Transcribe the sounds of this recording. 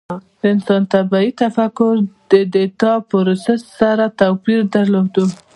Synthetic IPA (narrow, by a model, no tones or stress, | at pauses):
d̪əɪnsɑnt̪abait̪afakːʊɾd̪əd̪et̪ɑpəɾosasaɾat̪apiɾd̪aɾlod̪u